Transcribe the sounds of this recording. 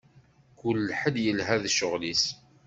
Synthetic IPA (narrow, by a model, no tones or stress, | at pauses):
kulːħəljəlɦæðʃʊʁlis